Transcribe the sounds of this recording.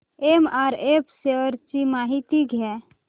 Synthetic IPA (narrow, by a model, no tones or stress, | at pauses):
emaːɾepseəɾt͡ʃimaːɦit̪iɡɦɛ